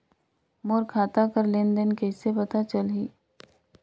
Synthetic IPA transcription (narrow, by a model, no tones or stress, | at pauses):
moːɾkʰaːt̪akəɾlɪnd̪ənkɛːsepɐt̪at͡ʃəlɦiː